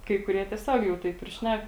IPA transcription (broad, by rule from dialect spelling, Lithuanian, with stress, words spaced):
kɐɪ kʊˈrʲiɛ tʲiɛˈsʲoːk jɛʊ ˈtɐɪp ɪr ˈʃʲnʲɛk